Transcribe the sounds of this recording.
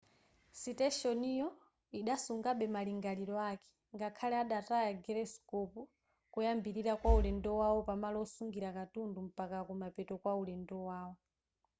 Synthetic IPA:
sitɛʃɔnijɔ | iɗasuŋɡaɓɛmaliŋɡaliɾɔakɛ̥ | ŋɡakʰalɛaɗatajaɡɛɾɛskɔpu | kujambiɾiɾakwaulɛndɔwawɔpamalɔsuŋɡiɾakatundum̩pakakumapɛtɔkwaulɛndɔwaːwɔ

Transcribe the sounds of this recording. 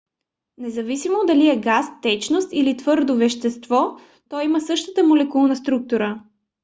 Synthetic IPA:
nɛzɐvisimod̪ɐliɛɡast̪ɛt͡ʃnost̪ilit̪v̥ɤɾd̪ovɛʃt̪ɛst̪vɔ | t̪ɔjiməsɤʃt̪ə̥t̪əmolɛkulˠnəst̪ɾuk̚t̪uɾə

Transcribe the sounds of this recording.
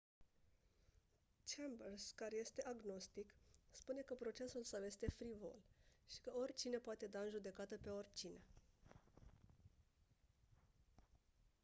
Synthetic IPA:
t͡ʃembərskaɾe̞je̞st̪e̞ʔaɡno̞st̪ikspune̞kəpɾo̞t͡ʃe̞sulsawje̞st̪e̞fɾivo̞̰lʃi̥kəo̞rʲt͡ʃine̞poat̪e̞d̪aɨnʒud̪e̞kat̪əpe̞o̞rʲt͡ʃine̞

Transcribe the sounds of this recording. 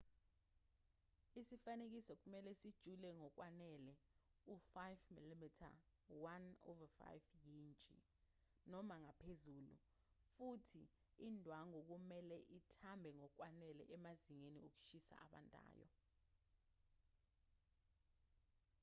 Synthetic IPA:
isifanek̬isɔk̬umɛlɛsid̥ʒ̥ʱulɛŋɔk̬wanɛlɛufajvmilimitʰa̰ | wanɔ̰vafa̰jvjint͡ʃʼḭ | nɔmaŋapʰezulṵ | futʰi | indʱwaŋok̬umɛlɛʔitʰambʱɛŋɔk̬wanɛlɛ̰ʔɛmaziŋeniok̬u̥ʃisa̰ʔa̰ɓa̰ntʼa̰ːjɔ̰

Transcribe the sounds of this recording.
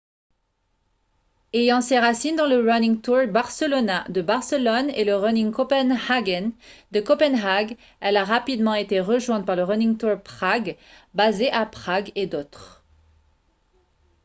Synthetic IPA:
ejɑ̃seʁasind̪ɑ̃ləʁɔnĩŋt̪uʁbaʁsəlɔnad̪əbaʁsəlɔneləʁɔnĩŋkɔpɛnhaɡand̪əkɔpɛnʁaɡ | ɛlaʁapid̪mɑ̃et̪eʁəʒwɛ̃t̪̚paʁləʁɔnĩŋt̪uʁpχaɡbazeʔapχaɡed̪ot̪χ

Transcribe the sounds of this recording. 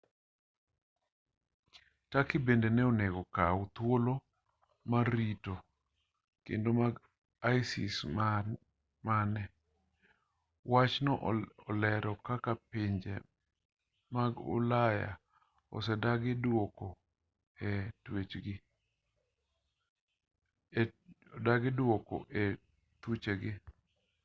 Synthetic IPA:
takɪbendenɛɔneɡɔkaʊt̪wolo | maɾito | kḛndomaɡ | ajsḭs | manɛ | wat͡ʃnɔʔɔlɛɾɔkakapiɲd͡ʒḛ | maɡʊ̰laja̰ | ɔ̰sɛdaɡɪdwoko | ɛtwet͡ʃɡɪ | daɡɪdwokɔ̰ʔe | t̪ut͡ʃeɡɪ

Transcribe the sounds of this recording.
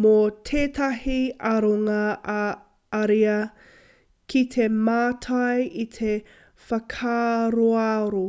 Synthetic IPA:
motʰeːtʰɐhiɐɾoŋɐʔɐ | ɐɾiɐ | kʰitʰemaːtʰɐjit̪ʰe | fɐkʰaːɾoaɾo

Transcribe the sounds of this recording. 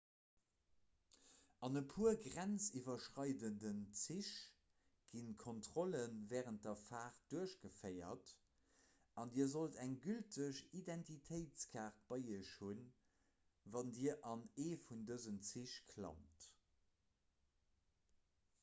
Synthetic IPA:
ɑnəpʰuɐɡʁænt͡sivɐʃʁɑɪdəndənt͡siʃ | ɡ̥inkʰontʁ̥olənvɛːʁənt̚dɐfaːχt̚d̥uəʃɡ̥əfɜɪɐ̰t | ʔɑndiːɐzoltæŋɡyltʰəʃidæntʰitʰəɪt͡skʰaːʁt̚b̥ɑɪiəɕhun | vɑndiːəʔɑneːfundəzənt͡siʃkʰlɑ̰mt

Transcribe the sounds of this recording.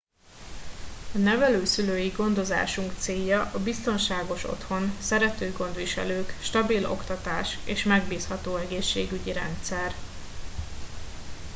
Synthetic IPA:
ɒnɛvɛløːsyløːjiɡo̞nd̪o̞za̰ːʃuŋkt̪seːjːɒʔɒbist̪o̞nʃaːɡo̞ʃo̞̰t̪ho̞nsɛɾɛt̪øːɡo̞nd̪ʋiʃɛ̰løːkʃt̪ɒbilo̞̰kt̪ɒt̪aːʃeːʃmɛɡbiːshɒt̪oːɛɡeːʃːḛːɡyɟiɾɛ̰nt̪sɛr

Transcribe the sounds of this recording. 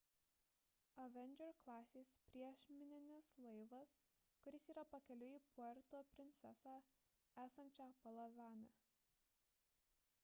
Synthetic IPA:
ɐʋʲɛnʲd͡ʒʲɛɾklˠɑːsʲeːspʲɾʲiɛʃʲmʲɪnʲɪnʲɪslˠɐɪʋɐs | kʊɾʲɪsiːɾɐpɐkʲɛlʲʊiːpʊɛɾʲt̪oːpʲɾʲɪnʲt̪ʲɛsɑː | æːsɐnʲt͡ʃʲæːpɐlˠɐʋʲæːnʲæ

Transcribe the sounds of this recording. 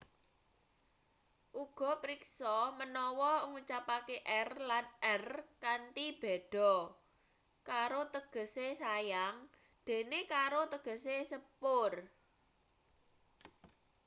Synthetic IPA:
ʔuɡ̥ɔ̤pɾiksɔmənɔwɔŋut͡ʃapakeʔɛrlanʔɛrkant̪ib̥e̤ɖ̥ɔ̤ | kaɾot̪əɡ̥ə̤sesajaŋ | d̪̥e̤nekaɾot̪əɡ̥ə̤sesəpʊr

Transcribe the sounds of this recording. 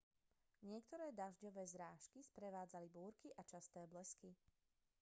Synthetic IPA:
ɲɪɛk̚t̪ɔɾɛːd̪aʒɟɔʋɛːzɾaːʃkispɾɛʋaːd͡zalibuːɾkiʔat͡ʃast̪ɛːblɛski

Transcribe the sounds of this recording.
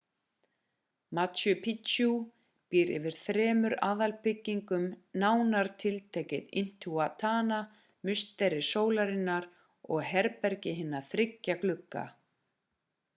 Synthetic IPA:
mat̪jʏpʰitt͡ʃu | piːɾɪ̰vɪɾ̥θɾɛːmʏɾaːðalpɪcːiŋkʏmnaːwnaɾ̥t̪ʰɪlt̪ʰɛːcɪðɪ̰n̥t̪ʰuat̪ʰaːna | mʏst̪ɛɾɪsoːwlaɾɪnːaɾ̥ | ɔɣɦɛɾpɛɾcɪɦɪnːaθɾɪcːaklʏkːa̰

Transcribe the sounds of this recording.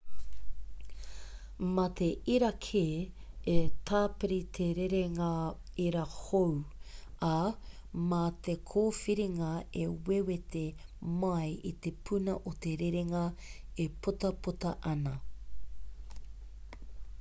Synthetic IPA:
mɐt̪ʰeʔiɾɐkʰeː | et̪ʰaːpiɾit̪ʰeɾeɾeŋɐ | iɾɐhowa | mat̪ʰekʰoːfiɾiŋɐewewet̪emɐjit̪epʰunɐ̰ʔot̪eɾeɾeŋɐepʰot̪ɐput̪ɐ̰ʔɐnɐ

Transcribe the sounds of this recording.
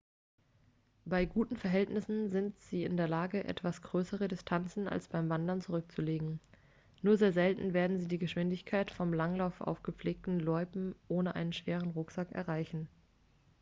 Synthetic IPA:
b̥aɪɡuːtn̩fɛɐɦɛltnɪsn̩zɪntz̥iːɪndeːɐlaːɡəʔɛ̰tv̥asɡ̥ʁøːsəʁədɪstʰant͡sn̩a̰lsb̥aɪmvandɐnt͡suʁʏk̚t͡suleːɡŋ̩ | nuːɐzeːɐzɛltn̩veːɐdn̩ziːdiːɡəʃv̥ɪndɪçkʰaɪtfɔmlaŋlaʊfʔa̰ʊfɡ̥əp͡fleːk̚tn̩lɔʏpm̩ʔoːnəʔa̰ɪnənʃv̥eːʁ̞ənʁʊkz̥akɛ̰ɐʁaɪçn̩

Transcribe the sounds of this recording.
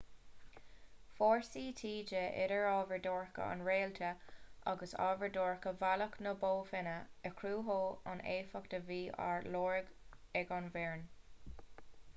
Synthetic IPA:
foːɹsiːt̪ʰiːd͡ʒəɪ̰ɾəɹɑːvəɹdoːɹkə̰a̰nɹeːlt̪ʰəʔa̰ɡəsɑ̰ːvəɹdoːɹkəvaləknəboːfɪnəəkʰɾuːɦoːanʔeːfəkd̪̥əviːa̰ɹloːɹəɡɛɡɑnvɛːɹn

